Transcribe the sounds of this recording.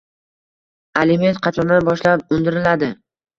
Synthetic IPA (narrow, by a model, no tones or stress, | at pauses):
alɪme̞nt̪̚qʰɑt͡ʃʰɒnabɒʃlap̚ʊnd̪ɪɾɪlad̪ɪ